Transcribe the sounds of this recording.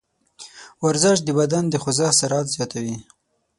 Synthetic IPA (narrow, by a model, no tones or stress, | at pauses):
waɾzɪʃ̚d̪əbad̪and̪əxʊzɑsaɾɑt̪zjɑt̪awi